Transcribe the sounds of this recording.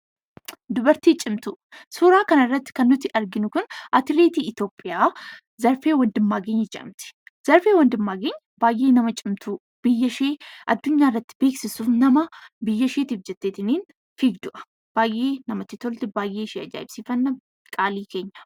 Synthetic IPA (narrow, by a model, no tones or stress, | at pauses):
d̪ʊbɐɾt̪iːt͡ʃʼɪmt̪ʊ | suːɾaːkɐnɐrːɐt̪ːɪ̥kɐnːʊt̪ːɪʔɐɾɡɪnʊkʊnʔɐt̪ɪleːt̪iːɪt̪o̞ːpʼːɪjaː | zɐɾfe̞ːwɐnd̪ɪmːaːɡeːɲːɐd͡ʒɛʔɐ̰mt̪ɪ̥z̥ɐɾfe̞ːwɐnd̪ɪmːaːɡeːɲːɐ̥baːjʔe̞ːnɐmɐt͡ʃʼɪmt̪ʰu | b̥ɪjːɐʃe̞ːʔɐd̪ːʊɲːaːɪrːɐt̪ːɪ̥be̞ːksɪsuːfnɐmɐbɪjːɐʃeːt̪iːfd͡ʒɛt̪ːeːt̪ɪniːn | fiːɡd̪ʊʔɐ̥ | b̥aːjʔe̞ːnɐmɐt̪ːɪt̪ɔlt̪ɪbaːjʔe̞ːɪʃeːɐd͡ʒa̰ːʔɪbsɪfɐnːɐ | kʼaːliːke̞ːɲːɐ̥